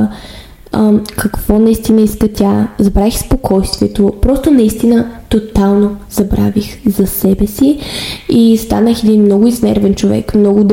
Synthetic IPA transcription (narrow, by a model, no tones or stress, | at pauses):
kʰɐkv̥ɔnɐist̪inəiskət̪ʲazɐbɾaixspokʰɔjst̪viɛt̪opɾɔst̪onɐist̪inət̪ot̪alˠnozɐbɾa̰vixzɐsɛbɛsiist̪a̰nəxɛd̪inmnɔɡʊiznɛ̰ɾvɛnt͡ʃovɛ̰kmnɔɡʊd̪